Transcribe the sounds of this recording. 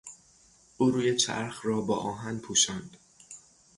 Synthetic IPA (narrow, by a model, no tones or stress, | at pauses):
ʔuːɾuːjet͡ʃʰæ̰ɾxrɒːbɒːʔɒːɦænpʰuːʃænd̪̥